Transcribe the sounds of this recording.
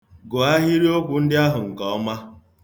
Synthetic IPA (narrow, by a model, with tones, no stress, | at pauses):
ɡʊ˨a˦ɦi˦ɾi˦o˦kʷu˨n̩˦dɪ˦a˦ɦʊ˨ŋ̩˨kɔ˨ɔ˦ma˦